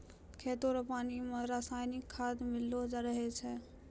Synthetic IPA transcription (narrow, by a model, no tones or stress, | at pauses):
kʰeːt̪oɾpaːnimẽɾaːsaːjnɪkʰːaːd̪mɪlːod͡ʒaɾəɦet͡ʃʰɛ